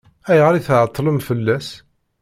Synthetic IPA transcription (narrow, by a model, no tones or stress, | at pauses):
æjʁɾiθʕət̪ˤːləmfəlːæs